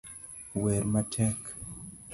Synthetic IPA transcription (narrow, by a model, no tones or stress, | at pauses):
wɛɾmatʰɛk